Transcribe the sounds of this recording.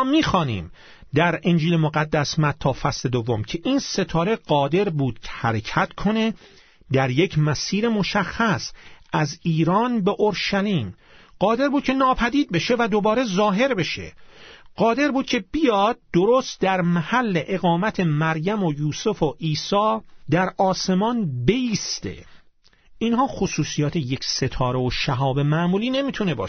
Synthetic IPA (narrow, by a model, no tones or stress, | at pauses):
miːxɒːnḭːm | d̪æɾend͡ʒiːlemoɣæd̪ːæsmæt̪ʰːɒːfæsle̞d̪ovːomcʰe̞ʔiːnse̞t̪ʰɒːɾe̞ɢɒːd̪e̞ɾbuːd̪̥̚cʰe̥hæɾecʰæt̪kʰo̞ne̞ | d̪æɾje̞cʰmæsiːɾemo̞ʃæxːæsʔæziːɾɒːnbe̞ʔoɾʃæliːm | ɢ̥ɒːd̪e̞ɾbuːd̪kcʰe̞nɒːpʰæd̪iːd̪̚be̞ʃe̞væd̪o̞bɒːɾe̞zɒːɦe̞ɾbe̞ʃe̞̰ɢ̥ɒːd̪e̞ɾbuːd̪̚cʲʰe̞b̥ijɒːd̪̚d̪oɾost̪̚d̪æɾmæhælːe̞ʔeɣɒːmæt̪ʰe̞mæɾjæmojuːsofoʔiːsɒːd̪æɾɒːse̞mɒːnbe̞iːst̪e̞̰ | ʔinɦɒːxosuːsijɒːt̪ʰejecʰset̪ʰɒːɾeoʃæɦɒːbe̞mæmuːliːne̞miːt̪ʰune̞bɒ̰ːʃ